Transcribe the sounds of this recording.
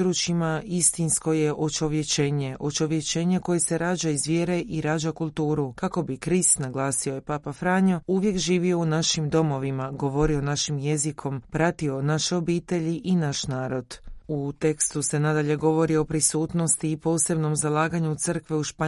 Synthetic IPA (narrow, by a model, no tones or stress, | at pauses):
ɾuːt͡ʃimaist̪insko̞je̞ʔo̞t͡ʃo̞ʋje̞t͡ʃeːɲe̞ʔo̞t͡ʃo̞ʋje̞t͡ʃe̞ɲeko̞je̞se̞ɾaːd͡ʒaizʋje̞ːɾe̞ʔiɾaːd͡ʑakulˠt̪uːɾukako̞bikɾist̪naɡlˠaːsiojepaːpafɾaːɲouʋje̞kʒiːʋio̞unaʃimd̪o̞mo̞ʋimaɡo̞ʋo̞ɾio̞naʃimje̞zikʰo̞mpɾat̪io̞naʃeo̞biːt̪e̞ʎiʔinaʃnaːɾo̞d̪̥ut̪e̞kst̪use̞nad̪aʎe̞ɡo̞ʋo̞ɾio̞pɾisuːt̪no̞st̪iːpo̞ːse̞bno̞mzalˠaːɡaɲut̪sɨr̩kʋeuʃpa